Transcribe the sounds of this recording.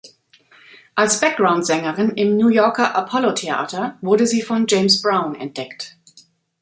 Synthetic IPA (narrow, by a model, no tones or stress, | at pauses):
ʔalsb̥ɛk̚ɡ̥ʁaʊntz̥ɛŋəʁɪnɪmnuːjɔɐkɐʔapʰɔlotʰea̰ːtɐvʊɐdəziːfɔnd͡ʒeɪmsb̥ʁaʊ̃nɛ̰nt̚d̥ɛkt